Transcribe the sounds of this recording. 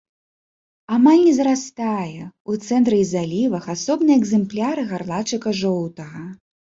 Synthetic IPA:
amalʲnʲɛzɾast̪ajɛut̪sɛnt̪ɾɨizalʲivɐxasɔbnɨjɛɡzɛmplʲaɾɨɣarlˠat͡ʂɨkɐʐɔwt̪ɐɣɐ

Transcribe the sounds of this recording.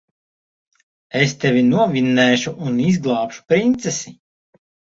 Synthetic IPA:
est̪ɛvʲinuɔvʲinːɛːʃuʔunizɡlˠɑːpʃu̥pɾint̪sesi

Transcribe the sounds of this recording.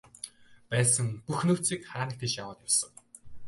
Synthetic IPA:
pæːsə̆ŋpuxnuːt͡siːkχaːnə̆kt̪et͡ɕjawəːt̪jʊwsə̆w

